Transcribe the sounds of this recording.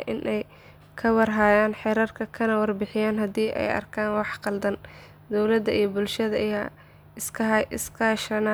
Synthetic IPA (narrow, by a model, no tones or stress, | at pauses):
ʔɪ̰nʔɛj | kʰɐwɑrɦaːjaːnħɛɾɐrkʰɐkʰɐnɐwɑrbɪħɪjaːnɦɐd̪iːʔɛ̰jɐ̰rkʰaːnwɑħqɑld̪ɐn | d̪ɔwlɐd̪ɐijɔbʊlʃɐðɐʔjaː | ɪskʰɪskʰɐʃɐna